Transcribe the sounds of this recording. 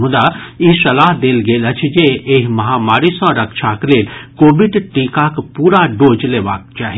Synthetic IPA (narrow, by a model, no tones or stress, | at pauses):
ũd̪aisɐlaːɦd̪eːlɡeːlɐt͡ʃʰd͡ʒeeːɦmɐɦaːmaːɾisãɾɐkʃʰaːkleːlkoːbɪɖʈiːkakpuːɾaɖoːd͡ʒleːʋa̰ːk̚t͡ʃaːɦi